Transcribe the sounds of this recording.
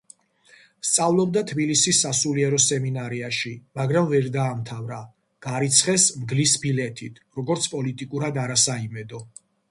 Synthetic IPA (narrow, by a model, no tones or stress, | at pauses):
st̪sʼavlˠɔbd̪at̪ʰbilisisːasuliɛɾɔsɛminaɾɛaʃimaɡɾamvɛɾd̪aːmt̪ʰavɾa | ɡ̥aɾit̪sʰχɛsmɡlisbilɛt̪ʰit̪ʰɾɔɡɔɾt̪sʰpʼɔlit̪ʼikʼuɾad̪aɾasaimɛd̪ɔ